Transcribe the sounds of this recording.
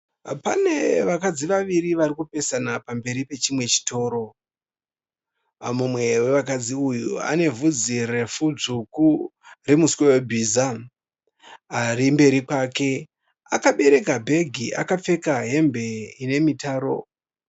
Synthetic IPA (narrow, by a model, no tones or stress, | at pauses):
pa̰ne̞ʋakad͡ziʋaʋiriʋaɾikupe̞sanapambe̞ɾipe̞t͡ʃimwe̞t͡ʃi̥to̞ːɾo̞ | mumwe̞we̞ʋakad͡ziujṵa̰ne̞vud͡zire̞fuʐukuremuswewebʱiːza | ɾimbe̞ɾikake̞ | akaɓe̞ɾe̞kabʱe̞ɡʱiʔa̰kap͡fe̞kaɦe̞mbe̞ine̞mitaːɾo̞̰